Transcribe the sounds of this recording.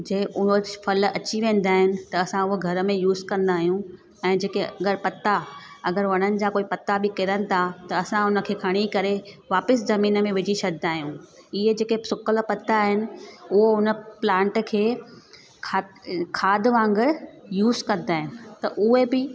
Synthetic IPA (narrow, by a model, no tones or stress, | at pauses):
d͡ʑeʔʊɦofɐlɐt͡ɕiʋẽːn̆d̪aːɦɪnɪ̆t̪ɐɐsãʊɦoɡʱɐɾəmẽjuːzkɐ̃nd̪aːɦijũ | ɛ̃ːd͡ʑeːkeɐɡəɾpɐt̪aɐɡəɾʋɐɽ̃ənɪ̆d͡ʑaːkoːipɐt̪abɪkɪɾənɪ̆t̪ʰat̪ɐɐsãʊnə̆kʰeːkʰɐɽ̃ikɐɾeʋaːpɪszɐmiːnəmẽʋɪd͡ʑiʃɐd̪ʱd̪aːɦijũ | ɪɦed͡ʑeːkesʊkəlpɐt̪ːaːɦɪnɪ̆ʊɦoʊnəplãːɳʈkʰeː | kʰakʰaːd̪ʋãːŋɡəɽjuːzkɐ̃nd̪aːɦɪnɪ̆t̪ɐʔʊɦebɪ